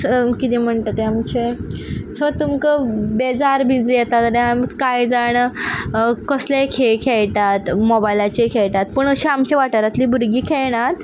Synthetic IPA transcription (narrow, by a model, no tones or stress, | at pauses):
kit̪im̤əɳt̪ət̪eamt͡ɕet͡sʰəʋət̪umkəbed͡zaɾbʱĩd͡zijɛt̪at̪əɾẽamkajd͡zaɽ̃ə | kəslekʰeɭkʰeɭt̪at̪mɔbajlat͡ɕekʰeɭt̪at̪pəɳəɕiamt͡ɕeʋaʈəɾat̪liːbuɾɡiːkʰeɭɽ̃at̪